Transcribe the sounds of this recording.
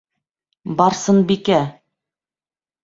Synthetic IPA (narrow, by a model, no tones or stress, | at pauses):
bɑɾsɤnbikæ